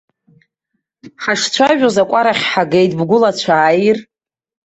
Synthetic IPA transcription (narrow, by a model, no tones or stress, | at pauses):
ħaʂt͡sʷʰaʒᶣozakʷʼaɾaχʲħaɡejtʼbɡʷʊlat͡ɕʷʰaːjr